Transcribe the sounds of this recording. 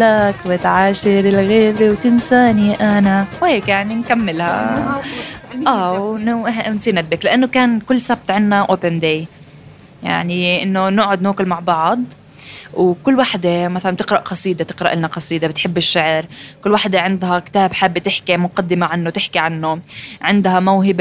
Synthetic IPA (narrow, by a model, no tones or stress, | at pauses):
lakwɪt̪ʕaːʃɪɾɪlɣeːɾiwt̪ɪnsaːniʔanawheːkjaʕninkamːɪlha̰ | ʔaːw | nsˤiːɾnad̪̚bɪklaʔanːokaːnkʊlːsab̚t̪ʕɪnːaʔoːpɪnd̪eːj | ja̰ʕniʔɪnːonʊːʕʊd̪noːkʊlmaʕbɑʕd̪ˤ | wkʊlːwaħd̪emaθalant̪ɪqɾˤɑʔqɑsˤiːd̪et̪ɪ̥qɾˤɑʔɪlnaqɑsˤiːd̪ebɪt̪ħɪbːɪʃːaʕɾkʊlːwaħd̪eʕɪnd̪hakt̪aːbħabːt̪ɪħkimʊqɑd̪ːɪmaʕanːot̪ɪħkiʕanːoʕɪnd̪hamawɦɪb